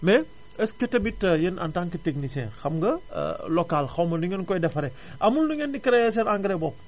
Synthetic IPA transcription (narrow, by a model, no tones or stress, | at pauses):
mɛ | ɐskɐtɐmitːɐjənɐ̰ntaŋkɐtek̚nisɛnxɐmɡɐ̰lɔkalxɐwmɐduŋɐnkɔjdɛfɐɾɛ | ʔɐmulduŋɐndikɐɾɛjɛs̬ɛnaŋɡɐɾɛbɔp̚